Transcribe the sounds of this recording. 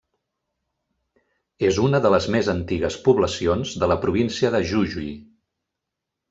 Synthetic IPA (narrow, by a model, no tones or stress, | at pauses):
ezunəðələzmezənt̪iɣəspuβləsionzðələpɾuβ̞insiəðəʒuʒui